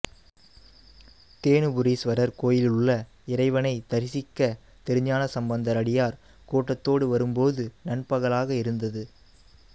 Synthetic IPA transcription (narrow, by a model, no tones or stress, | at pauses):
t̪eːɳɯbʊɾiːsʋɐɾɐɾkoːjɪlɪlʊɭːɐ | ɪɾɐɪʋɐnɐɪt̪ɐɾɪsɪkːɐ | t̪ɛɾɯɲaːnɐsɐmbɐnd̪ɐɾɐɽɪjaːɾ | kuːʈːɐt̪ːoːɽɯʋɐɾɯmpoːðɯnɐɳpɐɣɐɭaːɣɐɪɾɯnd̪ɐðɯ